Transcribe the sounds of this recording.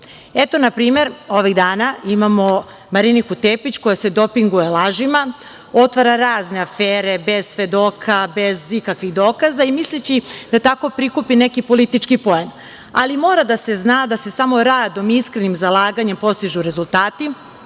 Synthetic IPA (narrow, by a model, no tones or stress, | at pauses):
e̞t̪o̞napɾiːme̞ɾoʋiɣd̪aːnaimamo̞ | maɾinikut̪eːpit͡ɕko̞jase̞d̪o̞piŋɡuje̞lˠaːʒima | o̞t̪ʋaɾaɾaːzne̞afeːɾe̞be̞z̥sʋe̞d̪o̞ːkʰabe̞zikakʋiɣd̪o̞ːkazaimislit͡ɕid̪̥at̪ako̞pɾikupine̞kipo̞lit̪it͡ʃkipo̞jen | a̰limo̞ːɾad̪ase̞znaːd̪ase̞samo̞ɾaːd̪o̞miiskɾe̞nimzalaːɡaɲe̞mpo̞st̪iʒuɾe̞zulˠt̪aːt̪i